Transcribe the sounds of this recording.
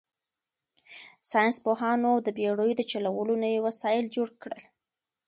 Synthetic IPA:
sɑjɪnspoɦɑnod̪əbeɽəjod̪ət͡ʃalawəlonajewasɑjɪld͡ʒoɽkɽəl

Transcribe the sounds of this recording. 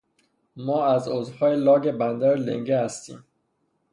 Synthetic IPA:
mɒːæzozhɒːjelɒːɡe̞bænd̪æɾlḛŋɟehæst̪ḭːm

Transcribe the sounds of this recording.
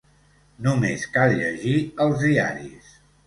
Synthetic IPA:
numeskalˠʎəʒiəlˠzðiaɾḭs

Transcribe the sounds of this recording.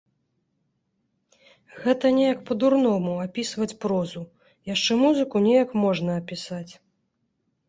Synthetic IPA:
ɣɛt̪ɐnʲɛjɐkpɐd̪urnɔmuapʲisvɐt͡sʲpɾɔzu | jaʂt͡ʂɛmuzɨkunʲɛjɐkmɔʐnɐːpʲisat͡sʲ

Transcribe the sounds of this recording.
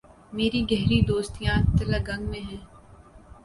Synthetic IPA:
meːɾiɡɛɦɾid̪oːst̪ijãt̪ɐləɡɐ̃ŋɡmẽɦɛ̃ː

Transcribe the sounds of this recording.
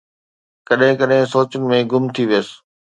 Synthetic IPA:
kɐɗɦɪ̃kɐɗɦɪ̃soːt͡ɕʊnɪ̆mẽɡʊmt̪ʰiʋijəs

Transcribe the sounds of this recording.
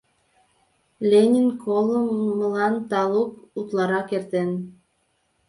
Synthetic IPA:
lʲenʲinkʰoləmːəlɑnt̪ɑlukut̪lɑɾɑkert̪en

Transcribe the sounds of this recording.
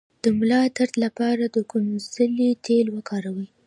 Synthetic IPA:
d̪̥əmʊlɑt̪aɾt̪lapɑɾad̪əkʊnzəlit̪ʰelwəkʰɑɾawi

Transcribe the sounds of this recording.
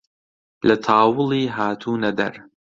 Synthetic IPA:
lʔɐt̪ʰɑːwɨlˠiːɦaːt̪ʰuːnɐd̪ɐ̰ɾ

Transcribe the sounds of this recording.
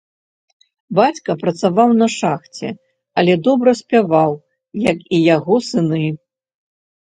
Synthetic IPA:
bat͡sʲkɐpɾɐt̪savawnɐʂaxt͡sʲɛ̰ | ɐlʲɛd̪ɔbɾɐsʲpʲavaw | jɐkijaɣɔsɨnɨ

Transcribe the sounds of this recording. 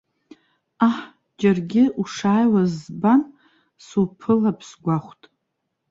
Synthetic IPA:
aħ | d͡ʒarɡʲɪuʂaːjwazban | sulpʰɨlapʰsɡʷaχʷtʼ

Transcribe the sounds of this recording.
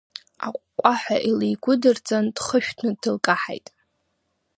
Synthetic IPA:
a̰qʷʼkʷʼaħʷaʔilijɡʷʊdɨrt͡sʼandχəʃᶣtʰnɨdɨlkʼaħa̰jtʼ

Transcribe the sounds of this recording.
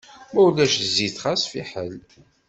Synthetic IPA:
mæwlːæʃziθχæsfiħəl

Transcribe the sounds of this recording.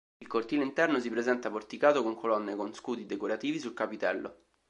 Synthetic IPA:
ilkort̪iːleint̪ɛrnosipɾezɛnt̪aport̪ikaːt̪okoŋkʰolɔnːekonskuːd̪id̪ekoɾat̪iːvisulkapit̪ɛlːʔo̰

